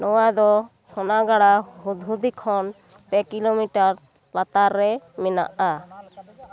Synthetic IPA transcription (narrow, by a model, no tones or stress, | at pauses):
nɔwad̪ɔsɔnaɡaɽaɦud̪ʱɦud̪ikʰɔn | pɛkilomiʈaɾ | lat̪aɾːɛmɛna̰ʔa